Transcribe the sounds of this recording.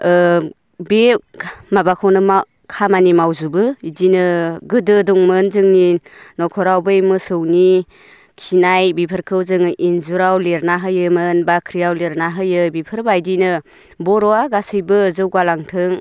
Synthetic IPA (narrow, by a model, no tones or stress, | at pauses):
bemabakʰownɯma | kʰamanimawzubɯidinɯɡɯdɯduŋmɯnzɯŋninɔkʰɔɾawbɯjmɯsɯwni | kʰinajbipʰɯɾkʰɯwzɯŋʔinzuɾawleɾnaɦɯjɯmɯnbakʰɾijawleɾnaɦɯjɯbipʰɯɾbajdinɯ | bɔɾɔaɡasɯjbɯzɯwɡalaŋtʰɯŋ